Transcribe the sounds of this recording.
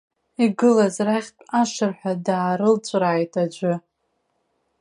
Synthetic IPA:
iɡɨlazraχʲpʼaʂɨrħʷᶣadaːɾɨlt͡ɕʷʼraːjtʼad͡ʒʷɨ

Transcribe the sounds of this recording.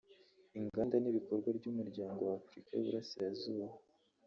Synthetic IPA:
iŋɡaːndaniβiko̞ɾɡwaɾɟuːmuɾɟaːŋɡo̞wafɾika̰jṵβuɾasiɾazuːβa

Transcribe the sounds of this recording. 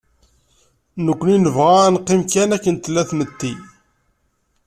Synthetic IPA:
nəkʷːninəvʁanqːɪmkænækːənt̪lːæθmət̪ːi

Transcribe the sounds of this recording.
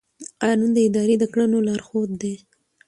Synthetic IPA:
qɑnund̪əɪd̪ɑɾed̪əkɽənolɑɾxod̪̚d̪e

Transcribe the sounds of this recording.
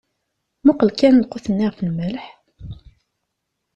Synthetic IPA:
mʊqəlkænlqʊθənːiʁfənmælħ

